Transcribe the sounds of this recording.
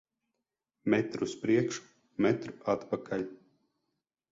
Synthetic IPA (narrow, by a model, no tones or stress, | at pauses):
mɛt̪ɾuspɾiɛkʃu̥ | mɛt̪ɾu̥at̪pakʰalʲ